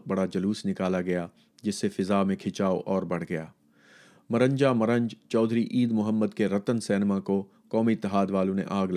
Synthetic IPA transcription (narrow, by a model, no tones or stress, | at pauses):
bɐɽad͡ʒɐluːsnɪkaːlaɡɐjaː | d͡ʒɪsːefɪzaːmẽkʰɪt͡ʃaːoʔɔːɾbɐɽ̤ɡɐja̰ː | mɐɾə̃ɲd͡ʒamɐɾə̃ɲd͡ʒt͡ʃɔːd̪ʱɾiʔiːd̪mʊɦəmːəd̪keɾɐt̪ənsɛːnmãko | kɔːmiɪt̪ːɪɦaːd̪ʋaːlõnḛʔaːɡl